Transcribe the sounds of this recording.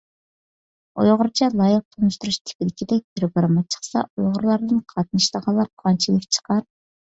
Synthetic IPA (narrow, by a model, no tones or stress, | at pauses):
ojʁʊɾt͡ʃʰɛlˠɑjq̚t̪ʰonuʃt̪uɾuʃt̪ʰɪ̥pɪlɪkʲid̪ɛk̚ʲɡ̪ʲiɾbɨɾɨmɑt͡ʃʰə̥χsɑ̰ujʁʊɾlˠɑɾd̪ɨnqʰɑt̪nɨʃlˠəʁɑlˠːɑɾqʰɑnt͡ʃʰilˠɨkʲt͡ʃʰə̥qʰɑɾ